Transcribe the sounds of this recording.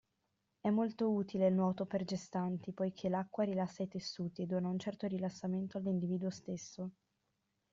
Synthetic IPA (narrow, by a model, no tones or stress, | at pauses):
ɛmːolt̪ouːt̪ileilnwɔːt̪operd͡ʒest̪ant̪ipojkʰelakːwaɾilasːait̪esːuːt̪ied̪ːoːnaunt͡ʃɛrt̪oɾilasːament̪oalːind̪iviːd̪uost̪esːo